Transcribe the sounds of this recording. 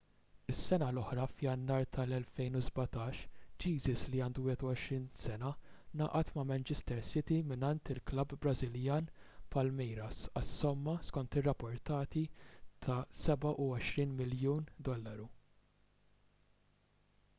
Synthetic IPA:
ɪsːɛnɐlɔħɾɐfjɐnːɐːɾt̪ʰɐlɛlfɛjnuzbɐt̪ɐːʃd͡ʒiːzɪsliɐːnd̪uwɪhɛt̪ɔɔʃɾiːnsɛnɐnɐ̰ːʔɐt̪mɐmɛnt͡ʃɛst̪ɛɾsɪt̪imɪnɐnt̪ɪlklɐbːɾɐzɪljɐːnpɐlmɛjɾɐsɐsːɔmːɐskɔnt̪ɪrːɐpːɔɾt̪ɐːt̪it̪ʰɐsɛbɐʔʊɔʃɾiːnmɪljuːnd̪ɔlːɐɾu

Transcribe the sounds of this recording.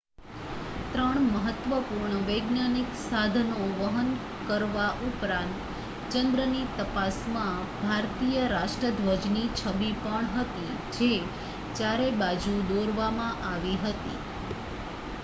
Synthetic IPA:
t̪ɾəɳməɦət̪ʋəpuɾɳəʋəjɡnaniksad̪ʱənoʋəɦən | kəɾʋaʔupɾãnt̪ | t͡ʃənd̪ɾənit̪əpasmã | bʱaɾt̪ijəɾaʃʈɾəd̪ʱʋəd͡ʒnit͡ʃʰəbipəɳɦət̪i | d͡ʒe | t͡ʃjaɾebad͡ʒud̪oɾʋamãʔaʋiɦət̪ḭ

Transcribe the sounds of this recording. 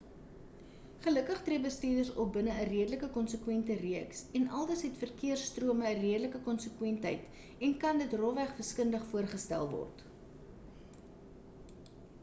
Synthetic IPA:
χələkəχtriəbəstiərdərsɔ̰bənəːriədələkəkɔnsəkwɛntəriəksɛnɐ̰lˠdəsɦɛtfərkiərstruəməːriədələkəkɔnsəkwɛntɦɛ̰jt | ɛnkɐndətrɔvæχfəskəndəχfuərχəstæ̰lˠvɔ̰rt

